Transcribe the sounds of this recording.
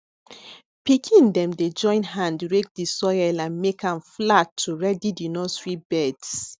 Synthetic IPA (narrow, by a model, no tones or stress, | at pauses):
pikʰĩndɛ̃mded͡ʒɔ̃ɪ̃nɦãndɹek̚disɔjɛlãnmekʰãmflatʰːuɹɛdidinɔsɹibɛds